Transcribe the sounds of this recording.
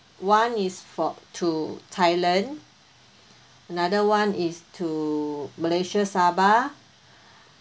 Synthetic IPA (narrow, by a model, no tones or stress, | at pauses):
wãnisfɔtʰutʰajlãn | ənadəwãnistʰuməleʃasaba